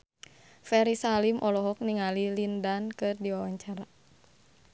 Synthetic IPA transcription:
fɛɾisalimʔɔlɔɦɔk̚niŋalilindankɨrdiwawaɲt͡ʃaɾa

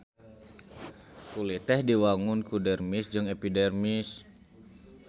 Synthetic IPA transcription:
kulit̪ɛhdiwaŋunkudɛrmisd͡ʒɨŋepidɛrmis

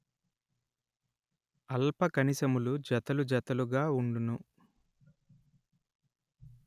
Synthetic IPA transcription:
ɐlpɐkɐnisɐmulud͡ʒɐt̪ɐlud͡ʒɐt̪ɐluɡaːuɳɖunu

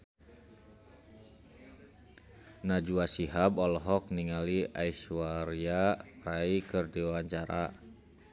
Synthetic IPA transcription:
nad͡ʒuasiɦabɔlɔɦɔk̚niŋaliaiʃuaɾiaraikɨrdiwaɲt͡ʃaɾa

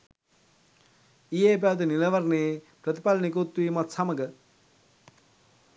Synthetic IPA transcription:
ijep̬at̪̬inilɐʋɐɾne | pɾət̪i̥palnikot̪ːuiːmat̪saməɡə

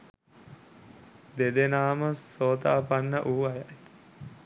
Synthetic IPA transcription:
d̪ed̪enaːməsoːt̪aːpanːəʔuːajaj

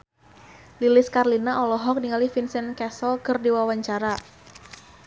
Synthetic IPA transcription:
lilɪskarlinaʔɔlɔɦɔk̚niŋalifinsɛnkɛsɔlkərdiwawaɲt͡ʃaɾa

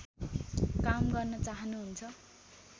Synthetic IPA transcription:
kamɡʌrnʌt͡saɦʌnuɦunt͡sʰʌ

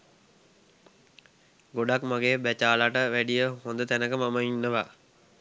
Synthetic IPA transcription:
ɡoɖakmaɡeːbæt͡ʃaːlaʈəʋæɖijəɦond̪ət̪ænəkəmaməinːəʋa

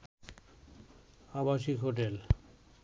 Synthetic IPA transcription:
abaʃikɦoʈ̬el

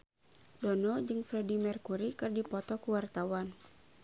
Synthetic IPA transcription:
dɔnɔd͡ʒɨŋfɾɛdimɛrkuɾikɨrdipɔt̪ɔkuwart̪awan

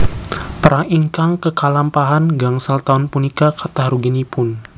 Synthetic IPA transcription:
pəɾaiŋkaŋkəkalampaɦanɡaŋsalt̪aʊnpunikakat̪ahɾuɡinipʊn

